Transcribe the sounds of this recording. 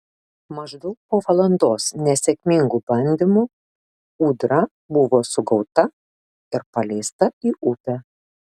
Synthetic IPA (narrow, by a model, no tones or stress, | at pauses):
mɐʒd̪ɔʊk̚poːʋɐlˠɐnd̪oːsnʲɛsʲɛkʲmʲɪŋɡubɐnʲd̪ʲɪmʊ | uːd̪ɾɐ | bʊʋoːsʊɡɒʊt̪ɐ | ɪɾpɐlʲɛːst̪ɐiːʔʊpʲɛ